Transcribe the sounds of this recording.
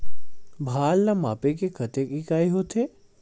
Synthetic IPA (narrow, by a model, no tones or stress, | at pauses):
bʱaːlːama̰ːpekekʰɐt̪ekikaːiɦoːt̪ʰeː